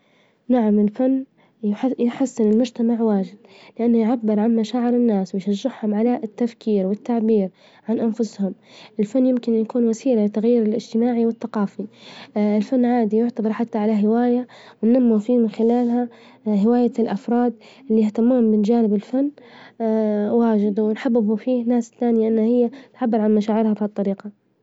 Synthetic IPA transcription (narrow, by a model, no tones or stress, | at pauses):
naʕamɪlfanː | jħasːɪnɪlmʊd͡ʒt̪amaʕwaːd͡ʒɪd̪̚lɪʔanːʊjʕabːɪɾʕanmaʃaːʕɪɾɪnːaːswɪjʃaʒːɪħhʊmʕalat̪ːafkʰiːɾwɪt̪ːaʕbiːɾ | ʕanʔanfʊshʊmʔɪlfanːjɪmkɪnjakuːnwasiːlalɪt̪aɣjiːɾɪlʔɪd͡ʒt̪ɪmaːʕiwɪθːaqɑːfiɪlfanːʕaːd̪ijʊʕt̪abɑɾˤħat̪ːaʕalaɦɪwaːjawɪnːamːufiːmɪnxɪlaːlɦa | ɦɪwaːjalʔɑfɾˤɑːd̪ | ʔɪlːiɪht̪amːuːhʊmbɪnd͡ʒaːnɪbɪlfanː | waːd͡ʒɪd̪wɪnħabːɪbufiːhnaːsθaːnɪjaʔɪnːahɪjːat̪ʕabːɪɾʕanmaʃaːʕɪɾhabhadt̪ˤːɑɾiːqɑ